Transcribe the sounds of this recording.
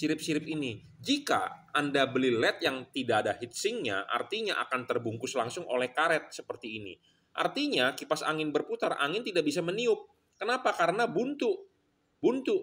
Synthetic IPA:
siɾɪp̚siɾɪp̚ini | d͡ʒika̰andabəlilɛt̪̚jaŋt̪idaːdaɦit̪̚sɪŋɲa̰ʔa̰rt̪iɲaʔa̰kant̪ərbuŋkʊslaŋsʊŋo̰lɛhkaɾɛt̪̚səpərt̪iːnḭ | ʔa̰rt̪iɲakipasa̰ŋɪnbərput̪arʔa̰ŋɪnt̪idaʔbis̬aməniʊp̚ | kənapakaɾənabunt̪ʊʔ | bunt̪ʊʔ

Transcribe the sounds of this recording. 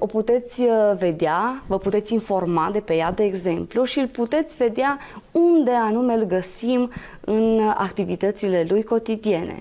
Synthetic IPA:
o̞put̪e̞t̪sʲve̞d̪eavəput̪e̞t̪sʲinfo̞rmad̪e̞pe̞jad̪e̞ːɡze̞mpluʃiɨlput̪e̞t̪sʲve̞d̪ea | und̪e̞anume̞lɡəsim | ɨna̰kt̪ivit̪ət̪sile̞lujko̞t̪id̪ie̞nḛ

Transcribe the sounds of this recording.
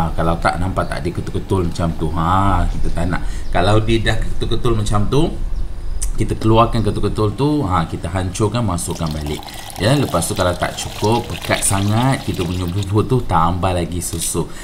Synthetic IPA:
kalawt̪a̰ʔnampat̪ːa̰ʔdikət̪ulkət̪ʊlmat͡ʃamt̪uɦãkit̪ət̪ana̰ʔkalawdidahkəkə̥t̪ulkət̪ʊlmat͡ʃamt̪u | kit̪əkəluarkankət̪ulkət̪ʊlt̪uãkit̪əɦaɲt͡ʃʊkanmasʊʔkːanbalɪ̰k̚ | jaləpast̪ukalawt̪a̰ʔt͡ʃukʊp̚bəkat̪̚saŋat̪̚kit̪əməɲububʊt̪ut̪ambalaɡisusʊ

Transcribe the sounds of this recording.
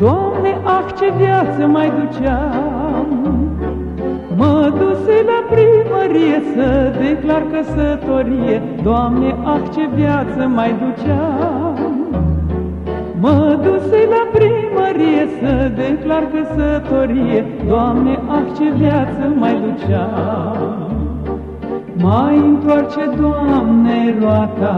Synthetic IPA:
d̪oamneʔakt͡ɕevjat͡səmajd̪ut͡ɕa | m | məd̪uselapɾiməɾijesəd̪eklaɾkəsət̪oɾije | d̪oamneʔakt͡ɕevjat͡səmajd̪ut͡ʃa | məd̪uselapɾiməɾijesəd̪eklaɾkəsət̪oɾije | d̪oamneʔakt͡ʃevjat̪t͡səmajd̪ut͡ɕa | majint̪wart͡ʃed̪wamneɾwat̪a

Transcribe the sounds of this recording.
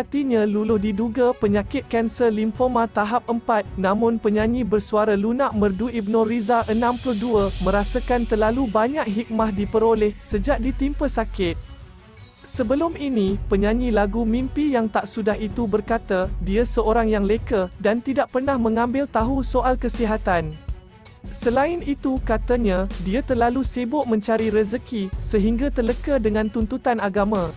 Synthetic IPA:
at̪iɲãlulʊhdiduɡapəɲakɪt̪̚kɛnsərlimfomãt̪aɦap̚ʔəmpat̪̚nãmʊ̃npəɲãɲĩbərsuaɾalunaʔmərduib̚nõɾizaʔənãmplʊhduəmə̃ɾasakant̪ərlalubaɲak̚ɦik̚mahdipəɾolɪhsəd͡ʒaʔ̚dit̪impəsakɪt̪̚ | səbəlʊminĩpəɲãɲĩlaɡumĩmpijaŋt̪aʔsudaɦit̪ubərkat̪adiasəoɾaŋjaŋləkədant̪idaʔ̚pərnahmə̃ŋãmbɪlt̪aɦusoʔalkəsiɦat̪an | səlaɪnit̪ukat̪aɲãdiat̪ərlalusebʊʔmə̃ɲt͡ʃaɾiɾəzəkisəɦiŋɡat̪ərləkədəŋãnt̪unt̪ut̪anaɡamã

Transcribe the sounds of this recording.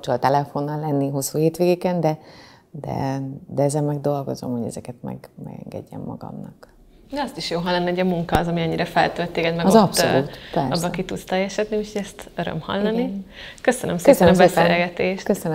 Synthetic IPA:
t͡ʃolt̪ɛlɛfo̞nːɒlːɛnːiɦo̞sːuːheːt̪ʋeːɡeːkɛnd̪ɛ | d̪ɛ̰d̪ɛɛzɛmmɛɡd̪o̞lɡo̞zo̞mho̞ɟɛzɛkɛt̪mɛ̰ɡmɛ̰ɡɛ̰ŋɡɛ̰ɟːɛ̰mːɒ̰ɡɒ̰mnɒk | d̪ɛɒst̪iʃjoːɦɒlːɑnːiuɟɒmuŋkɒːzɒmiɛɲːiɾɛfɛ̰lt̪ølt̪ːeːɡɛd̪mɛɡɒzɒpsoluːt̪pɛrɒbsbːɒɛkit̪ut̪st̪ɛjɛʃɛd̪niucʰoɟɛst̪øɾø̰mhɒ̰lːɒnikø̞sønømskøsɛnbɛsḛːlɡɛt̪eːʃt̪køsøn

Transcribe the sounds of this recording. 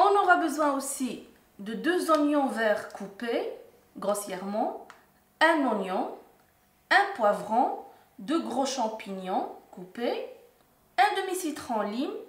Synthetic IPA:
ɔ̃nɔʁabəzwɛ̃osi | d̪əd̪øzɔ̃njɔ̃vɛʁkʰupe | ɡʁɔsjɛʁmɑ̃ | ɛ̃nɔ̃njɔ̃ | ɛ̃pwavʁɑ̃ | d̪øɡʁoʃɑ̃piɲjɔ̃kupe | ɛ̃d̪əmisit̪χɑ̃lim

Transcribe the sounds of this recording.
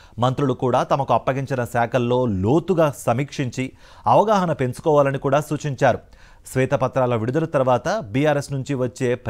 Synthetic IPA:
mɐnt̪ɾuɽukuːɽaːt̪ɐmɐkuɐpːɐɡiɲt͡ʃinɐsɛːkʰɐlːo̞ːloːt̪uɡaːsɐmiːkʂiɲt͡ʃi | ɐʋɐɡaːɦɐnɐpensu̥kɔːʋaːlɐnikuːɽaːsuːt͡ʃiɲt͡ʃaːɾu | sʋɛːt̪ɐpɐt̪ɾaːlɐʋiɽud̪ɐlɐt̪ɐɾuʋaːt̪ɐbiːjaːɾe̞snuɲt͡ʃiʋɐt͡ʃːe̞ːp

